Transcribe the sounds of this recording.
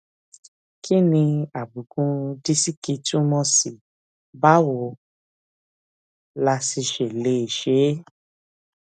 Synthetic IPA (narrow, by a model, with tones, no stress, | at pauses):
kʰi˦nĩ˧a˨bu˨ɡũ˧˦di˦si˦ki˧tũ˦mɔ̃˧si˨ | ba˦wo˧˦ | la˧si˧ʃe˨le˨˦i˨ʃe˨˦